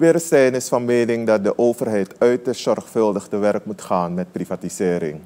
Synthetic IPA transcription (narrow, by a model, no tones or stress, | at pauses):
ʋɪːɾəstɛjnɪsfɑnmeːnɪŋdɑt̚dəʔoːvərɦɛjtœɥtəz̥ɔrχfəlˠdəχtəʋɛrkmutχaːnmɛt̚privatizɪːɾɪ̰ŋ